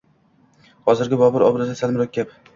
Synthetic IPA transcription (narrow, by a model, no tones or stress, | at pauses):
hɒzɪɾɡʲɪbɒbʊɾɒbɾɪd̪asalmɪɾɒk̪̚ʲkʲap